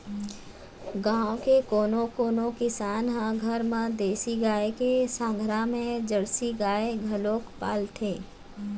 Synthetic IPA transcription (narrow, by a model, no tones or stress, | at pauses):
ɡãːõkekoːnõkoːnõkɪsaːnɦãɡʱəɾmãd̪eːsiɡaːekesãːŋɡʱɾamẽd͡ʒəɽsiɡaːeɡʱɐloːkpa̰ːlʈ̪ʰeː